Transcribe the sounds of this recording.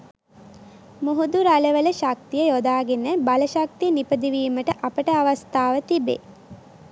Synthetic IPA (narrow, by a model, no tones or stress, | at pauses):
muɦud̪uɾaləʋələʃak̚t̪ijəjod̪aːɡenəbaləʃak̚t̪ijənipəd̪iʋiːməʈəʔapəʈəaʋast̪aːʋət̪ibḛː